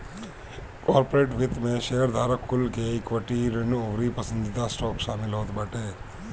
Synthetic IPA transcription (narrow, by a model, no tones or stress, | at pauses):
kɔːɾpoɾeːʈʋɪt̪mẽʃeɦəɾd̪ʱaːɾəkːʊlkeɪkʋəʈiɾenoʋɾipəsə̃nd̪ɪt̪asʈɔːkʃaːmɪlɦoːt̪bəʈeː